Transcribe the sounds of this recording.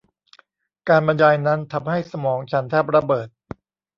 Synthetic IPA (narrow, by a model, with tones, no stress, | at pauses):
kaː˧nba˧njaː˧jna˦˥nt̪ʰa˧mha˥˩jsa˧mɔː˩˦ŋt͡ɕʰa˦˥nt̪ʰɛː˥˩p̚ɾa˧bɤː˨˩t̪̚